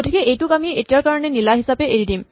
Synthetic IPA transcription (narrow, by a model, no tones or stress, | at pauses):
otʰikeʔejtukamieʔetijaɹkaɹɔnenilaɦisapeʔeɹidim